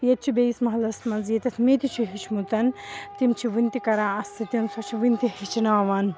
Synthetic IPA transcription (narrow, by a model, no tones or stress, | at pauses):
jɐt̪̚t͡ʃʰibeismɐɦɐlɐsmɐnzit̪ɐt̪ʰmet̪it͡ʃʰiɦit͡ʃʰmut̪ɐnt̪imt͡ʃʰiʋɨnʲt̪ikɐɾãːɐst̪ʰit̪insot͡ʃʰiʋinʲt̪ihit͡ʃʰinaːʋaːn